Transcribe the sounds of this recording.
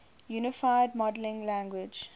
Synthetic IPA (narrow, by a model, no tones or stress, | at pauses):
juːnɪfaɪɖ̚mɔɖlɪ̃ŋlæ̃ŋɡwɪd͡ʒ